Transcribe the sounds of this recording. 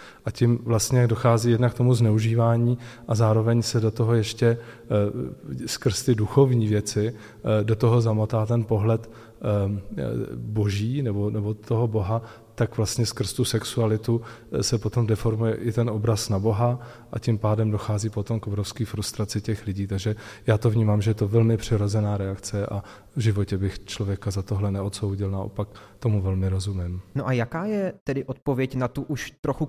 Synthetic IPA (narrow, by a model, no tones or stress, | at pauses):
ʔacɪmvlast̪ɲɛjaɡdo̞xaːziːjɛdnak̚t̪o̞muznɛuʒiːvaːɲiːʔazaːɾo̞vɛɲsɛdo̞t̪oɦo̞jɛʃcɛ | skr̩st̪ɪduxo̞vɲiːvjɛt͡sɪ | do̞t̪o̞ɦo̞zamot̪aːt̪ɛnpo̞ɦlɛt̪ | bo̞ʒiːnɛbo̞nɛbo̞t̪o̞ɦobo̞ɦa | t̪akvlast̪ɲɛskr̩st̪usɛksualɪt̪u | sɛpot̪o̞mdɛfo̞ɾmujɛʔɪt̪ɛnʔobɾasnabo̞ɦa | ʔacɪmpaːdɛmdo̞xaːziːpo̞t̪o̞mkʔobɾofskiːfɾust̪ɾat͡sɪcɛxlɪɟiːt̪aɡʒɛjaːt̪o̞vɲiːmaːmʒɛjɛt̪ovɛlmɪpr̝̥ɪɾozɛnaːɾɛakt͡sɛʔa | vʒɪvocɛbɪxt͡ʃlovjɛkazat̪oɦlɛnɛot̪so̞wɟɪlnaʔo̰pakt̪o̞muvɛlmɪɾo̞zumɪmnoʔajakaːjɛt̪ɛdɪʔot̪̚povjɛcnat̪uʔuʃt̪ɾoxu